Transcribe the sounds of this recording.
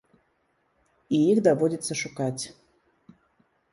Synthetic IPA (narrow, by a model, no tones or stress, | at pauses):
iixd̪avɔdʲit̪sːəʂukat͡sʲ